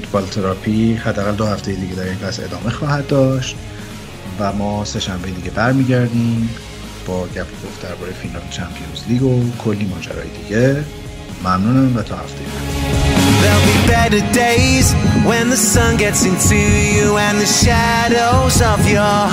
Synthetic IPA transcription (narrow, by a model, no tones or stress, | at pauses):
fut̪ʰbɒlt̪ʰeɾɒpʰihæd̪ːæɣæld̪ohæft̪e̞jed̪iːɟe̞d̪æɾenvæse̞̰d̪ɒːme̞xɒːhæd̪̚dːɒːʃt̪̚ | væmɒːse̞ʃæmveed̪iːɟebæɾmiːɟæɾd̪iːm | b̥ɒːɟæpʰokʰo̞fd̪̥æɾbɒːɾejefillɒːbet͡ʃʰæmpʰijosliːɡokʰo̞lːiːmɒːd͡ʒæ̰ɾɒ̰ːjḛd̪iːɟe | mæmnuːnæmvæt̪ʰɒːhæ̰ft̪ʰejemæ | ðeɪlˠbibɛɾə˞deɪzwə̃nðəsʌ̃nɡɛtsɪ̃ntʰʉjuə̃nðɨʃæ | ɾoʊzʌvjə